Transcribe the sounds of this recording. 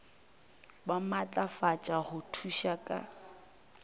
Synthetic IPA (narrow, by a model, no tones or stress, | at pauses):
bamat͡ɬʼafat͡ʃʼaɣʊtʰuʃakʼa̰